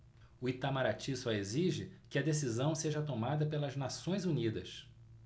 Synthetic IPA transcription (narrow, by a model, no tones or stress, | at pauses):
ʊit̪amaɾat͡ʃisaeziʒɪkɪɐd̪esizɐ̃w̃seʒɐt̪omad̪ɐpelɐznasõj̃zunid̪ɐs